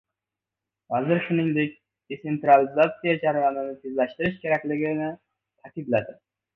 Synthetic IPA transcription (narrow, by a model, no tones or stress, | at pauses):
væzɪɾʃɪnɪŋd̪ɪk̪ʲ | esent̪ɾalɪzat̪sijɑd͡ʒaɾvamɪnɪt̪ʰezlæʃt̪ɪɾɪʃkʲʰeɾɛkʲlɪɡʲɪnɪ | t̪ʰakʲid̪læd̪ɪ